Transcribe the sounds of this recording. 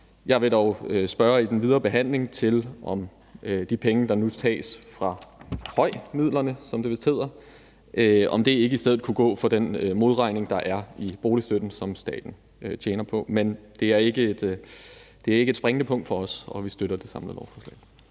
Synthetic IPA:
jɑ̈ɪʋe̝ɾ̥ɒʊøsb̥ɶːɐid̥enʋið̞ˠɐːb̥e̝ɦæn̰le̝ŋt͡sʰe̝lʔɒ̽m | d̥ipʰeŋəd̥ɑ̈nut͡sʰɛ̰ːsfʁɑ̈hɒ̽ɪ̰mið̞̰ˠlɐnəsɒ̽mdeʋe̝sd̥he̝ð̞̰ˠɐ | ʔøɒ̽md̥e̝e̝ɡ̥əisdeð̞̰ð̩ˠkʰuɡ̥ɔ̰̽ːfɒ̽d̥enmo̝ð̞ˠʁɑ̈ɪne̝ŋd̥ɑ̈ʔæɐib̥o̝ːlisd̥ød̥n̩sɒ̽msd̥ɛ̰ːd̥n̩ | t͡ɕʰeːnɐpʰɒ̽mend̥e̝æɐe̝ɡ̥əe̝d̥ | d̥e̝æɐe̝ɡ̥əe̝d̥sb̥ʁaŋənəpʰɔ̽ŋ̰d̥fɒ̽ɒ̽sɒ̽ʋisd̥øɾ̥ɐd̥e̝sɑ̈mləð̩ˠlɒʊfɒ̥ːslɛ̰ɪ

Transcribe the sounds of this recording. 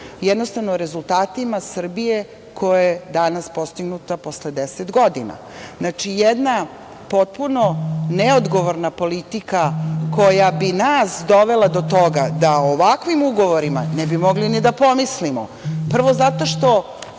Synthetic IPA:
jɛd̪nost̪aʋnoɾe̞zulˠt̪aːt̪imasr̩bije | kʰo̞jajed̪anaspo̞st̪iɡnut̪apo̞sled̪eset̪ɡo̞d̪ina̰ | znat͡ʃijed̪na | po̞t̪̚punoneod̪ɡo̞ʋoɾnapo̞lit̪ikako̞jabinasd̪o̞ʋe̞lˠad̪o̞t̪o̞ɡad̪aoʋakʋimuɡo̞ʋoɾimanɛbimo̞ɡlinid̪apo̞mislimopr̩ʋo̞zat̪o̞ʃt̪o̞

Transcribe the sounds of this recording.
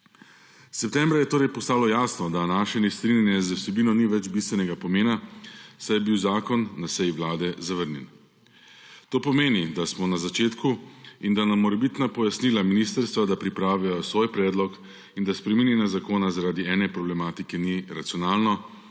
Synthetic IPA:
sɛpt̪ɛːmbɾajɛt̪oːɾɛjpɔst̪aːlɔjaːsnɔd̪anaːʃɛnɛst̪ɾinʲjɛnjɛzəwsɛbiːnɔniʋɛd͡ʒbist̪ʋɛnɛɡapɔmeːnasajɛbiwzaːkɔnːasɛjiʋlaːd̪ɛzaʋəɾnjɛ̰n | t̪oːpɔmeːnid̪asmɔnazat͡ʃeːt̪kuind̪anamːɔɾɛbit̪napɔjasnilaminist̪əɾst̪ʋad̪apɾipɾaːʋiajɔsʋoːjpɾɛːd̪lɔk | ind̪aspɾɛminjɛnjazakoːnazaɾaːd̪iɛːnɛpɾɔblɛmaːt̪ikɛniɾat̪sijɔnaːlnɔ

